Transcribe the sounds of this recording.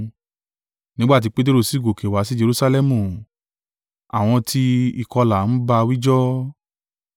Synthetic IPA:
nĩ˦ɡ͡ba˦˨t̬i˧k͡pe˦t̬e˦ɾo˦˧˨si˦˨ɡo˨ke˨wa˨˦si˦d͡ʒe˧ɾu˦sa˧lɛ˦˨mũ˨ | a˨w̃ɔ̃˧tʰi˧i˨kɔ˧la˨˦n̩˦ba˧wi˦d͡ʒɔ˦

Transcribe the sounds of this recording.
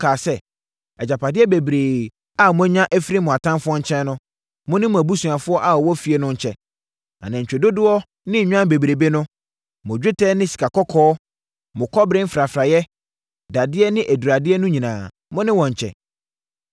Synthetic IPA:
kʰaː˨sɛ˦ | ɛ˨d͡ʑa˨pʰa˨dɪ˦ɛ˦be˨bɾeː˨ | a˦˨mʊ̃˦æ˦ɲã˦ʔæ˦fi˦ɾi˦mʊ̃˨a˨tʰã˦nfʊ˦ɔ˦ɲ̩˦t͡ɕʰɛ̃˦nnʊ̃˦ | mʊ̃˦nɪ̃˦mʊ̃˨æ˨bu˦su˨a˨fʊ˦ɔ˦ʔa˦˨ɔ˨wɔ˦fi˦ɛ˦nʊ̃˦ɲ̩˨t͡ɕʰɛ˨ | ã̰˨nã˨ɲ̩˨t͡ɕᶣe˨do˦dʊ˦ɔ˦ | nɪ̃˦˨ɲᶣ˦ã˦be˨bɾe˨be˦nʊ̃˦ | mʊ̃˨d͡ʑᶣɪ˦tʰɛ˦nɪ̃˦si̥˨kʰa˨kʰɔ˦kʰɔː˦ | mʊ̃˨kʰɔ˦bɾɪ̃˦m̩˦fɾa˨fɾa˨jɛ˦ | da˨dɪ˦ɛ˦nɪ̃˦ʔæ˨du˨ɾa˨dɪ˦ɛ˦nʊ̃˦ɲĩ˨nãː˨ | mʊ̃˦nɪ̃˦wɔ̃˨ɲ̩˨t͡ɕʰɛ̰˨

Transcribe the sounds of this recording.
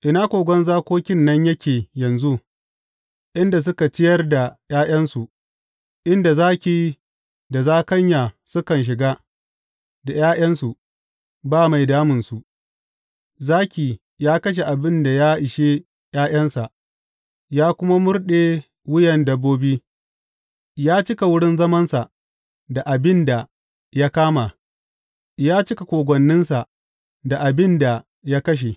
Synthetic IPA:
ʔɪ˨naː˦kʷoː˨ɡʷɔ˦nzaː˦kʷoː˦kʲɪ˦nːɐ˦ɲjɐ˦kʲeː˨jɐ˨nzu˦ | ʔɪ˦nda˨s̬ʊ˦ka˨t͡ʃɪ˦jɐ˦rda˨j̰aː˦j̰ɐ˦nsu˨ | ʔɪ˦nda˨zaː˦kʲiː˨i˦ | da˨zaː˦kɐ˦ɲjaː˨sʊ˦kɐ˨nʃ̬ɪ˨ɡaː˦ | da˨jaː˦j̰ɐ˦nsu˨ | baː˦ma˨jdaː˦mʊ˨nsu˨ʔ | zaː˦kʲiː˨ | jaː˦kɐ˦ʃ̬e˨ʔa˨bɪ˦nda˨jaː˦ʔɪ˨ʃeː˦ | j̰aː˦j̰ɐ˦nsa˨ | jaː˦kʷʊ˦ma˦mʊ˦rɗe˨ | wʊ˦jɐ˨ndɐ˦bːoː˦biː˦ | jaː˦t͡ʃɪ˦ka˨wʊ˦ɽɪ˦nzɐ˦mɐ˦nsa˨ | da˨ʔa˨bɪ˦nda˨ | ja˦kaː˦ma˨ | jaː˦t͡ʃɪ˦ka˨kʷoː˨ɡʷɔ˨nːɪ˦nsa˨ | da˨ʔa˨bɪ˦nda˨ | ja˦kɐ˦ʃ̬e˨

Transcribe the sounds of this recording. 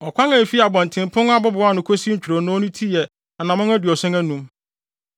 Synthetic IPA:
ɔ˨kʷʰã˦ŋã˨fi˦a˨bɔ̃˨n˨tʰɪ̃˨m˨pʰʊ̃˦n˦a˦bʊ˦bʊ˨a˦˨nʊ̃˨kʰʷo˦si˦t͡ɕᶣu˨ɾo˨nʊ̃˦ɔ˦nũ˦tʰi˦jɛ˨ | a˨nã˨mʊ̃˦ŋæ˦dɪ˨ɔ˨sɛ̃˦ŋæ˦nũ˦m

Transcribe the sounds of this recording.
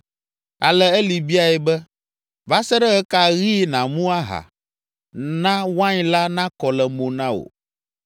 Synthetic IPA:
a˨lɛ˦ɛ˦li˨bi˦a˨jɛ˨bɛ˦ | va˦sɛ˦ɖɛ˦ɣɛ˦ka˦ɣi˦nã˨mũ˦a˦ɦa̰˨ | nã˦wã˦ɲ˦la˦nã˦kɔ˨lɛ˨mõ˨nã˦wo̰˨

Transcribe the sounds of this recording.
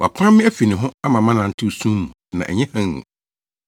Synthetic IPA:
wa̰˨pʰã˦mːɪ̃˦æ˦fi˨nɪ̃˨ɦʊ̃˦a˦mã˨mã˦nã˨n̩˦tʰɪ˦˨sũ˦mũ˨nã˨æ̰˨ɲɛ̃˦hã˦ṵ̃˨

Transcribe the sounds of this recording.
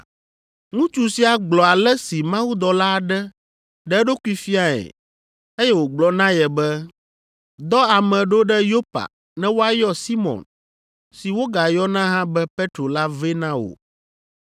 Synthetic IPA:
ŋũ˦t͡ʃu˨si˨˦a˨ɡ͡blɔ˨a˨lɛ˦si˨mã˦wu˦d̪ɔ˨la˦˨ɖɛ˦ | ɖɛ˦ɖo˦ku˦i˦fi˦a˦ɛ̰˨ | e˦jɛ˦wo˨ɡ͡blɔ˨nã˦jɛ˨bɛ˦ | d̪ɔ˦a˨mɛ̃˨ɖo˦ɖɛ˦jo˦pa̰˨ | nɛ̃˦wo˦a˦jɔ˦si˦mɔ̰̃˨n | si˨wo˦ɡa˨jɔ˦nã˦ɦã˦bɛ˦pe˦t̪ɾo˨la˦ve˦nã˦o̰˨

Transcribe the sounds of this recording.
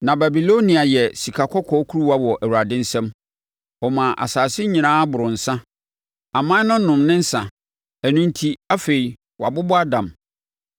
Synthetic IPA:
nã˨ba˨bi˨lo˦nĩ˨a˨jɛ˨si˨kʰa˨kʰɔ˦kʰɔ˦kʰu˦ɾu˦wa˦wɔ˨ʔæ˨wu˨ɾa˨dɪ̃˦n̩˦sɛ̃˦m | ɔ˨mã˨ʔa̰˨saː˨sɪ˦ɲĩ˨nãː˦bʊ˨ɾʊ̃˨n̩˨sã˦ | a˨mã˦nʊ̃˦nʊ̃˨mnɪ̃˦n̩˦sã˨ | æ˨nũ˦n̩˦tʰi˦a˦fe˨i˨ | wa˨bʊ˦bʊ˦a˦dã˨m

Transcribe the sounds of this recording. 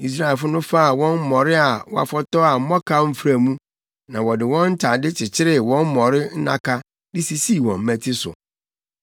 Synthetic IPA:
i˨s̬ɾa˦ɪ˨fʊ˦nʊ̃˦fa˦a˨wɔ̃˦n̩˦mɔ̃˨ɾɪ˦a˨wɔ˦a̰˨fɔ˦tɔ˦a˨m̩˦mɔ̃˦kʰa˦m̩˦fɾa˨mũ˦ | nã˨wɔ˨dɪ˨wɔ̃˦n̩˦tʰa˨dɪ˦t͡ɕʰɪ˨t͡ɕʰɪ˦ɾɪ˦˨wɔ̃˦m̩˦mɔ̃˨ɾɪ˦n̩˦nã̰˦kʰa˦ | dɪ˦si˨siː˦˨wɔ̃˨m̩˦mæ̃˦tʰi˦sʊ̰˨

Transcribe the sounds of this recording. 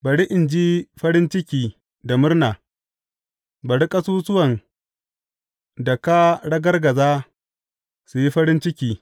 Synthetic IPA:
bɐ˨ɽi˦ʔɪ˨nd͡ʒi˦ɸɐ˦ɽɪ˦nt͡ʃɪ˦kʲiː˨ | da˨mʊ˦rnaː˨ | bɐ˨ɽi˦kʼɐ˦suː˦sʊ˦wɐ˨n | da˨ka˦ɽɐ˦ɡɐ˦rɡɐ˨zaː˦ | su˨ji˦ɸɐ˦ɾɪ˦nt͡ʃɪ˦kʲiː˦

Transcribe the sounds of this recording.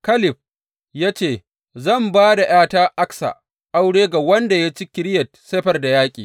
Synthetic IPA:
kɐ˦lɪ˨ɸ̚ | jaː˦t͡ʃeː˦˨ | zɐ˦˨mbaː˦da˨j̰aː˦taː˦ʔa˦ksa̰˨ | ʔa˦wɽeː˦ɡa˨wɐ˦nda˨ja˦t͡ʃi˦kʲɪ˨˦ɽɪ˦jɐ˨t̚seː˦ɸɐ˨rda˨jaː˦kʲʼḭː˨

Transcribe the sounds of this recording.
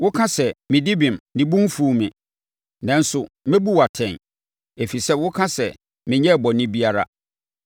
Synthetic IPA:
wʊ˦kʰã˦sɛ˨mɪ̃˨dɪ˦bɪ̃˨mnɪ̃˨bũ˦m˦fu˦˨mɪ̰̃˨ | nã˨n̩˦sʊ˨ | mɪ̃˦bu˦wa˨tʰɛ̃˨n | e˨fi˨sɛ˦wʊ˦kʰã˦sɛ˨ | mɪ̃˨ɲɛ˦˨bɔ˨nɪ̃˦bi˦a˦ɾa̰˦

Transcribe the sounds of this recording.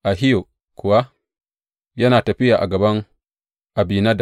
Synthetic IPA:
ʔa˨ɦi˦jo˨ | kʊ˨wa˦ | jɐ˦naː˨tɐ˨ɸi˦jaː˨ʔa˨ɡɐ˨bɐ˦ŋ | ʔa˨bi˨na˦da˨

